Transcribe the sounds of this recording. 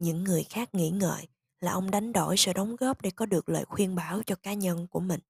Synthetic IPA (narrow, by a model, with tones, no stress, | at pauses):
ɲɨ̰˧˥ŋːɨ˨˩əjxaː˦˥k̚ŋḭ˧˥ŋə̰ː˧˨j | laː˨˩ʔə˧wŋ͡mɗa˨˦jŋ̟ɗo̰˧˩jsɨ̰˧˨ɗə˨˦wŋ͡mɣɔ˦˥p̚ɗe˧˩kɔ˨˦ɗɨ˨˩ək̚lə̰ː˧˨jxwi˧ənɓaː˧˩wt͡ɕɔ˧kaː˨˦ɲə˧nku˧˩əmï˨˩ŋ̟